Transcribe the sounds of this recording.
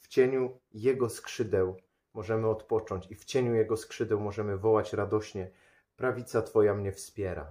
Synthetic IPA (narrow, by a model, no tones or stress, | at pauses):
ft͡ɕeɲu | jɛɡɔskʂɘd̪ɛw | mɔʐɛmɘɔt̪pɔt͡ʂɔɲt͡ɕift͡ɕeɲujɛɡɔskʂɘd̪ɛwmɔʐɛmɘvɔwat͡ɕɾad̪ɔɕɲɛ | pɾavʲit̪sat̪fɔjamɲɛfspʲjɛɾa̰